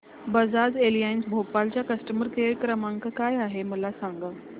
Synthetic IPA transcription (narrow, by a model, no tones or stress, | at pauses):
bəd͡zad͡zelijainsbʱopalt͡ɕjakəsʈəməɾkeɾkɾəmãŋkəkajaɦeməlasãŋɡə